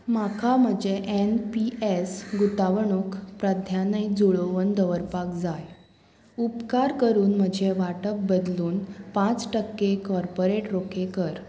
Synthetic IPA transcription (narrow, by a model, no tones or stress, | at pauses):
makʰam̤əd͡ʑeʔenpiesɡut̪aʋəɳukpɾəd̪ʱjanəid͡zuɭoʋənd̪əʋəɾpakd͡zaj | upkaɾkəɾuːnm̤əd͡ʑʱeʋaʈək̚bəd̪luːnpãt͡sʈəkːekɔɾpoɾeʈɾokʰekəɾ